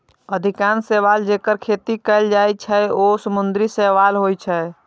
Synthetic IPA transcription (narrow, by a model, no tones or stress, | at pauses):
əd̪ʱikanseʋald͡ʒekəɾkʰeːt̪ikəld͡ʒajt͡ʃʰɛosəmʊnd̪ɾisɛʋalɦojt͡ʃʰɛ